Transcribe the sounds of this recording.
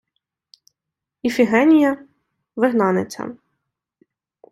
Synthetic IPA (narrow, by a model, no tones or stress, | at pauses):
ifʲiɦɛnʲijɐ | ʋɪɦnɑnḛt͡sʲɐ̰